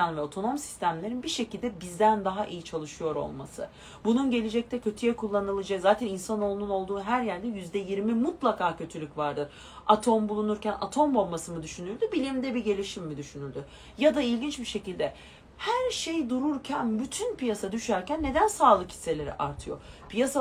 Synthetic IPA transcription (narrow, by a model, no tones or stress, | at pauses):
anvɛo̞t̪ʰo̞no̞msi̥st̪ʰæmlʲe̞ɾinbiʃe̞cilʲd̪ɛbizd̪ænd̪aɦaʔijit͡ʃʰalˠɯʃɯjo̞ɾo̞̰lˠma̰sɯ̰ | bununɟe̞lʲed͡ʒɛc̚t̪ʰɛcʰø̞t̪ʰyjɛkʰulˠːanɯlˠɯd͡ʒakzaːt̪ʰæninsano̞lˠununo̞lˠd̪uːɦæɾjæɾd̪ɛjyzd̪ɛjiɾmimut̪lˠakʰaːcʰø̞t̪ʰylʲycvaɾd̪ɯɾ | at̪ʰo̞mbulˠunuɾcæna̰t̪ʰo̞mbo̞lˠmasɯmɯd̪yʃynyɾd̪ybilʲimd̪ɛbiɟe̞lʲiʃimːid̪yʃynyɾd̪y | jad̪ailʲɟint͡ʃbiʃe̞cilʲd̪ɛ | hæɾʃe̞jd̪uɾuɾcʰænbyt̪ʰynpijasad̪yʃæɾcænːe̞d̪ænsaːlˠɯkhʰi̥sːe̞lʲe̞ɾḭʔa̰ɾt̪ʰɯjo̞̰ | pijasa